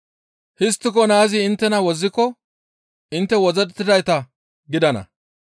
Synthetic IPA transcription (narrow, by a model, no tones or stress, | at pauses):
hɪs̬t̪ːɪkɔnaːzɪɪnt̪ːɛnɐwɔzːɪkːɔ | ʔɪnt̪ːɛwɔzɛt̪ːɪd̪ɐjt̪ɐ | ɡɪd̪ɐnɐ̰